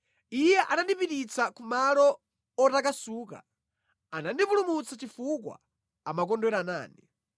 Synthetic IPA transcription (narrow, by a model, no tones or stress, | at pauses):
ijɛʔanandipitit͡sakumalɔ | ɔtakasuːka̰ | anandipulumut͡sat͡ʃifuk̬wa̰ | amak̬ɔndwɛɾana̰ːni